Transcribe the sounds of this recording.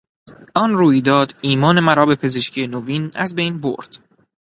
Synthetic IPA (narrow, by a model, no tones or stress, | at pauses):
ʔɒnruːjd̪ɒːd̪iːmɒːne̞mæɾɒːbe̞pʰe̞zeʃcʰije̞noviːnæzbe̞jnbo̰ɾd̪̥